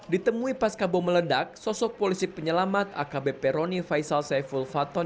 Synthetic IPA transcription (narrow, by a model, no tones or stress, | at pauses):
dit̪əmuipaskabɔmələdak̚sɔsɔk̚polisipəɲəlamat̪̚a̰kabepɛɾonifaisalsajfulfat̪ɔ